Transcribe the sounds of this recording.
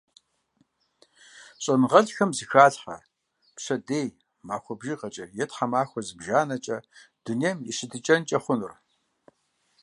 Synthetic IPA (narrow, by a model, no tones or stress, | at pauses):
ɕʼɐnʁɐɮxɐmzɨxaːɬħɐ̰ | pɕɐdeːj | maːxʷɔbʒiʁɐt͡ʃʼɐjɛtħɐmaːxʷɔzɨbʒaːnɐt͡ʃʼɐd̥ʊnemjɛ̰ʃɨdʰɨt͡ʃʼɐnt͡ʃʼɐχʷʊnʊr